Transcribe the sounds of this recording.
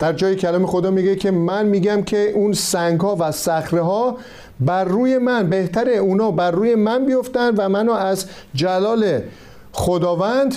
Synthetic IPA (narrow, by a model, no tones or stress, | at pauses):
d̪̥æɾd͡ʒɒːjecʰælɒːmexod̪ɒːmiɡecʰe̞mænmiːɡæmcʰeʔuːnsæŋɡhɒːvæsæxɾeɦɒː | bæɾːuːje̞mænbe̞ht̪ʰæɾeuːnɒːbæɾːuːje̞mænbijo̞ft̪ænd̪væmænɒːæz | d͡ʒælɒːle̞ | χod̪ɒːvænd̪